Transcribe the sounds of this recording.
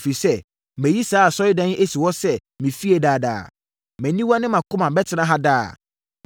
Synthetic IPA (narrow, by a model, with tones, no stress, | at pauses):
fi˨sɛ˦ | mæ̃˨ji˦sa˨˦a˨sɔ˦ɪ˦dã˦n˦ʔe˦si˨wɔ˦sɛ˦ | mĩ˨fi˦e˨daː˨da̰ː˨ | mɛ̃˨nĩ˦wa˦nɪ̃˦mã˨kʰʊ̃˦mã˨bɛ˦tʰɪ˨nã˦ɦa˦daː˦˨